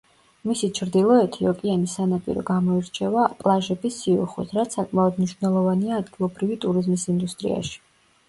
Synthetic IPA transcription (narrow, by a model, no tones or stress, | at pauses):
misit͡ʃʰɾd̪ilˠɔɛt̪ʰiɔkʼianisanapʼḭɾɔ̰ɡamɔiɾt͡ʃʰɛvapʼlˠaʒɛbisːiṵχwḭt̪ʰɾat̪sʰakʼmaɔd̪mniʃvnɛlˠɔvaniaːd̪ɡilˠɔbɾivit̪ʼuɾizmisind̪ust̪ʼɾḭa̰ʃi̥